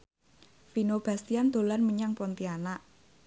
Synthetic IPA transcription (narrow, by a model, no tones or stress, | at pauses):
finob̥a̤st̪iand̪̥o̤lanməɲaŋpɔnt̪ianaʔ